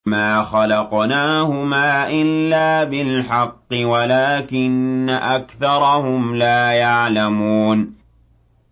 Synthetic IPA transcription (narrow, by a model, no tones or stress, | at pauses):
maːxɑlɑqnaːhʊmaːʔɪlːaːbɪlħɑqːɨwalaːkɪnːaʔakθɑɾˤɑhʊmlaːjaʕlamuːn